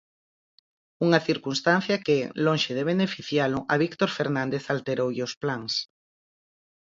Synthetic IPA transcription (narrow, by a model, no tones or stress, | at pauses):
uŋaθiɾkunst̪an̟θjakelõŋʃeðeβ̞enefiθjalʊʔaβikt̪oɾfeɾnãnd̪eθalt̪eɾowʎosplaŋs